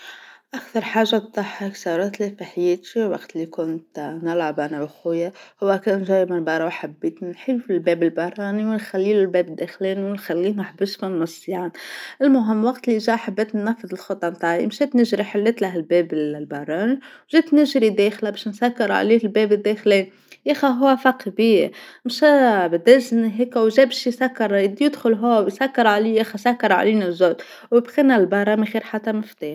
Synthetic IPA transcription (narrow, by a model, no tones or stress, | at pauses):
ʔakθɑɾˤħaːʒːat̪ˤːɑħɑksˤɑːɾˤɑt̪lifiħjeːt̪iwɑ̰ɡt̪likʊnt̪nɪlʕabʔanawxʊjahʊwːækæːnʒæːʔmanbɑɾˤɑwħabːeːt̪nnħilufilbeːbɪlbɑɾˤɑːniwɪnxælːiːlulbeːbɪd̪ːeːxliːnwɪnxælːiːhnaħbɪsmanmɑsˤːiʕanʔɪlmʊɦɪmːwɑqt̪liʒaːʔħabːeːt̪nːæfːɨðˤɪlxɑt̪ˤːɑmt̪aːʕiʔmʃeːt̪nɪʒɾiħɪlːɪt̪laɦlbeːbɪlbɑɾˤɑːniwʒiːt̪nɪʒɾid̪eːxlabeːʃnsakːɑɾˤʕa̰liːɪlbeːbɪd̪ːexleːn | jexaɦʊwːæfɑqibiːmʃæbɪd̪æzniɦeːkwʒæːbeʃjsakːɑɾˤid̪jɪd̪xʊlɦʊwːæwjsakːɑɾˤʕaliːjexasakːɑɾˤʕa̰liːnazoːt̪ | wɪbɣiːnalbɑɾˤɑːmixiːɾħat̪ːamɪft̪iːx